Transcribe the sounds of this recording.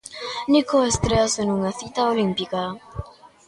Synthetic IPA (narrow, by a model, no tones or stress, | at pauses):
nikoest̪ɾeasenuŋaθit̪aolimpika